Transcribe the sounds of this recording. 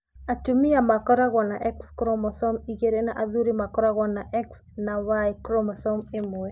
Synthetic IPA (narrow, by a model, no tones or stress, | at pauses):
atumiamakɔɾaɣɔnaʔɛkskɾɔmɔsɔmiɡeɾenaʔaðuɾimakɔɾaɣɔnaʔɛksnawaikɾɔmɔsɔmɪmʊɛ